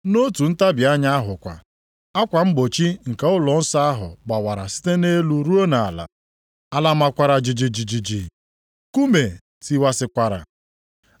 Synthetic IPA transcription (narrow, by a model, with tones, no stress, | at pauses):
no˦tu˨n̩˦ta˦bja˦ɲa˦ɦʊ˨kʷa̰˨ | a˦kʷa˨m̩˦ɡ͡bo˨t͡ʃi˦ŋ̩˨ka˦ʊ˦lɔ˨n̩˦sa˦a˦ɦʊ̰˨ba˨wa˨ɾa˨si̥˦te˦ne˦lu˦ɾu˦o˦na˨la̰˨ | a˦la˦ma˨kʷa˨ɾa˨d͡ʒi˨d͡ʒi˨d͡ʒi˨d͡ʒi˨d͡ʒi˨ | ku˦me˨ | ti˨wa˨sɪ˨kʷa˨ɾa̰˨